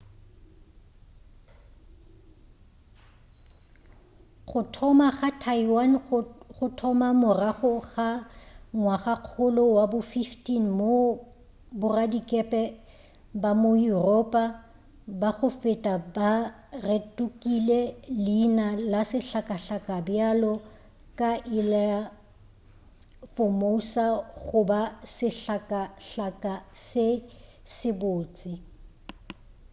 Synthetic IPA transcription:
χʊtʰɔmaχatʰaiwanχʊtʰɔmamʊraχʊɣaŋwaχaq͡χʰʊlʊwabʊfiftʼin̩mo | bʊradikʼɛpʼɛ | bamojurɔpʼa | baɣʊfɪtʼaba | retʼukʼilelɪnalasɪɬakʼaɬakʼabjalɔ | kʼaʔɪlaa | fomousaɣʊbasɪɬakʼaɬakʼasɪ | sɪbʊːt͡sʼɪ

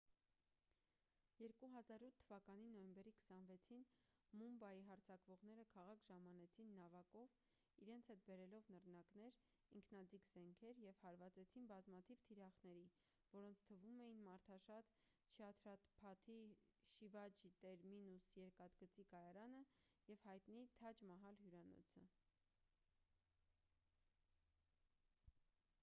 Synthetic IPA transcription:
jɛɾkuɦɑzɑɾut̪ʰːəvɑkɑninɔjɛmbɛɾikʰə̥sɑnvɛt͡sʰinmumbɑjiɦɑɾt͡sʰɑkvɔʁnɛɾəkʰɑʁɑkʰʒɑmɑnɛt͡sʰinːɑvɑkɔv | iɾɛnt͡sʰɛt̪̚bɛɾɛlɔvnəɾnɑkn̪ɛɾ | iŋkʰnɑd͡zikz̥ɛŋkʰɛɾjɛvhɑɾvɑt͡sɛt͡sʰinbɑzmɑt̪ʰivt̪ʰiɾɑχnɛɾi | vɔɾɔnt͡sʰt̪ʰəvumɛjinmɑɾt̪ʰɑʃɑt̪ | ʃʰɑt̪ʰɾɑt̪pʰɑt̪ʰiʃivɑd͡ʒit̪ɛɾminusjɛɾkɑt̪ɡət͡sikɑjɑɾɑnəjɛv̥hɑjt̪nit̪ʰɑt͡ʃmɑɦɑlɦjuɾɑnɔ̰t͡sʰə

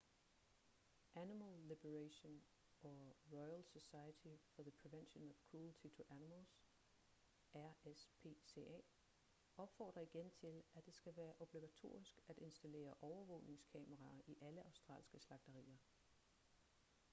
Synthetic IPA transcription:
ʔænimælːib̥əʁæɕon | ʔɒʁɔɪælsosɑ̈ɪət͡sʰifɒðəpʰʁiʋenɕonɒʋ̥kʰʁult͡sʰit͡sʰo̝ʔænimlˠs | æɐ̰espʰe̝̰ːse̝̰ɛ̰ː | ɒ̽b̥fɒ̰ːd̥ʁɐiɡ̥ent͡sʰe̝læd̥e̝sɡ̥æʋæːɐʔo̝b̥liɡ̥æt͡sʰo̝̰ːisɡ̥æd̥e̝nsd̥æle̝̰ːɐʔɒʊɐʋɔ̰̽ʊne̝ŋskʰɛ̰məʁɑ̈ʔiʔæləʔɑ̈ʊsd̥ʁɑ̰̈ːlsɡ̥əslɑ̈ɡ̥d̥ɐʁḭːɐ

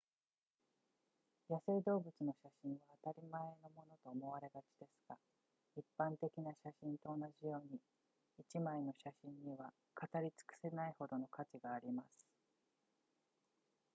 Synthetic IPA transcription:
jasɨid̪o̞ːbɯt͡sɨno̞ɕaɕĩɰ̃βaːt̪aɾʲimae̞no̞mo̞no̞t̪o̞ːmo̞βaɾe̞ɡat͡ɕi̥d̪e̞sɨ̥ɡ̥a | ipːãnt̪e̞kʲinaɕaɕĩnt̪o̞ːnaʑijo̞ːɲ̟i | it͡ɕimaeno̞ɕaɕĩɲːiβa | kat̪aɾʲit͡sɨ̥kɯ̟̥senaiho̞d̪o̞no̞kat͡ɕiɡaːɾʲimasɨ̥

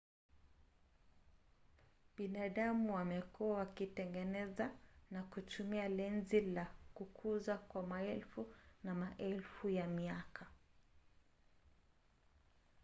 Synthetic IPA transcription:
ɓinaɗamuwamɛkuawakitɛŋɡɛnɛzanakutumialɛnzilakukʰuzakwamaɛlfunamaʔɛlfujamiakʰa

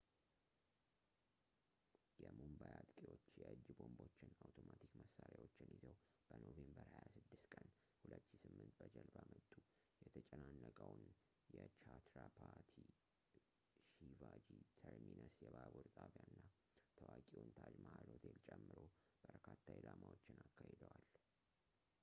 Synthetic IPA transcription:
jɛmumbajat̪kʼiwo̞t͡ʃːjɛɨd͡ʒːbo̞mbo̞t͡ʃːɪnawt̪ʰomat̪ʰikməsːaɾjawot͡ʃːɪnizəw | b̥ənovembəɾhajasɨd̪ːɨst̪kʼən | hulət̪ːʃisɨmːɨnt̪bəd͡ʒəlbamət̪ʼːu | jɛt̪ʰət͡ʃʼɛnanːəkʼəwn | jɛt͡ʃat̪ɾapʰaɾt̪ʰi | ʃivad͡ʒit̪ʰəɾminʔəsjɛbabuɾt̪ʼʰaβjanːa | t̪ʰəwakʼiwunt̪ʰad͡ʒmahalot̪ʰelt͡ʃʼɛmːɨɾo | b̥əɾkʰat̪ʰːailamawot͡ʃːɪnakːahed̪əwal

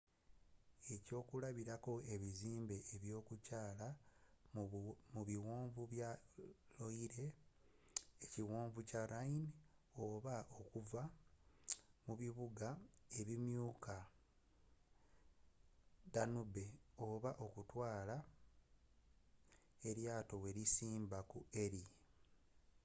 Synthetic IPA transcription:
e̞co̞ːkulaβiɾako̞e̞βiziːmbe̞ːβjo̞ːkucaːla | muβiwoːɱvuβjalo̞iɾe̞ | eciwoːɱvucaɾainoβaʔo̞kuva | muβiβuɡae̞βimjuːka | danubeo̞βaʔo̞kutwaːla | e̞ɾjaːto̞we̞ɾisiːmbakue̞ɾi

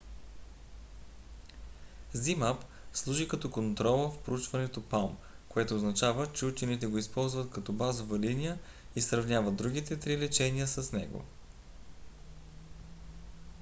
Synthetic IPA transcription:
zimap | slˠuʒikɐt̪ɔkont̪ɾɔlˠəfpɾout͡ʃvɐnɛt̪opalˠmkoɛt̪oːznɐt͡ʃavət͡ʃɛut͡ʃɛnit̪̬ɛɡoispɔlˠzvɐt̪kɐt̪ɔbazovɐlinijə | isɾɐvnʲavəd̪ɾuɡ̟it̪ɛt̪ɾilɛt͡ʃɛniəsɐsnɛɡo̰

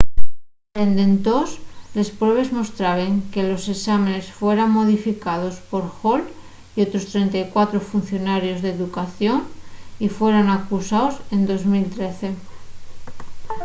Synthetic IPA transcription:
end̪e̞nt̪osle̞spɾwe̞β̞e̞zmo̞st̪ɾaβe̞ŋke̞loseksamẽne̞sfwe̞ɾaŋmːo̞ð̞ifikað̞o̞spo̞ɾxol | io̞t̪ɾo̞st̪ɾe̞nt̪ajkwat̪ɾofun̟θjo̞naɾjo̞zðeːðukaθjo̞nifwe̞ɾanakusaose̞nd̪o̞zmilt̪ɾe̞θe̞

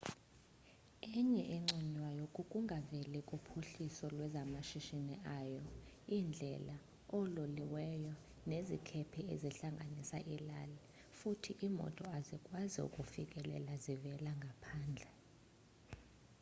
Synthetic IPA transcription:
ɛɲɛʔɛŋ͡ǀinwajokʼukʼuŋʱavɛlɛkʼupʰuɬisɔlwɛzamaʃiʃiniʔaːjɔind͡ɮʱɛ̰la | ɔloliwɛjɔ | nezikʰɛpʰieziɬaŋɡʱanisa̰ʔilalɛ | futʰiʔimɔ̰tʼɔazikʼwaziṵkʼufikʼɛlɛ̰lazivɛlaŋɡʱapʰaːnd͡ɮʱɛ

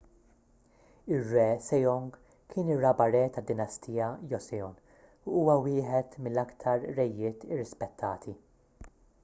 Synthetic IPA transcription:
ɪrːɛːsɛjɔŋɡ | kʰɪːnɪrːɐbɐɾɛːt̪ɐd̪ːɪnɐst̪ijɐjɔsɛɔn | uuːwɐwɪːħɛt̪mɪlːɐkt̪ʰɐɾːɛjːɪːt̪ɪrːɪspɛt̪ʰːɐːt̪ʰi

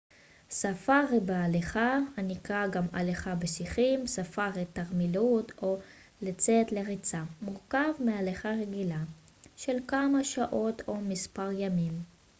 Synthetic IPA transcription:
safaʁebealeχahanikʁaɡama̰leχabesiχimsafaʁet̪aʁmilut̪ʰo̞ | let͡setleʁit͡samuʁkavmealeχaʁe̞ɡila | ʃelkamaʃaʔo̞to̞mispaʁjamim

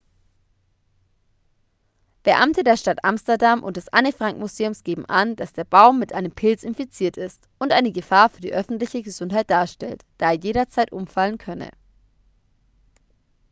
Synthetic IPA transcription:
b̥əʔamtədeːɐʃtatʔamstɐdamʔʊ̰nt̚d̥ɛsʔa̰nəfʁ̥aŋkmuzeːʊmsɡ̥eːbm̩ʔand̥asd̥eːɐbaʊmːɪtʔaɪnəmpʰɪlt͡sɪnfit͡siːɐtɪst | ʊntʔaɪnəɡəfaːɐfyːɐdḭːʔœfn̩tlɪçəɡəzʊnthaɪt̚d̥aːɐʃtɛ̰ltd̥aːeːɐjeːɾɐt͡saɪtʔʊmfalənkʰœnə̰

